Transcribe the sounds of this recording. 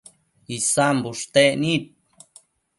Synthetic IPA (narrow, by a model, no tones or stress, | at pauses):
isambuʂt̪enit̪̚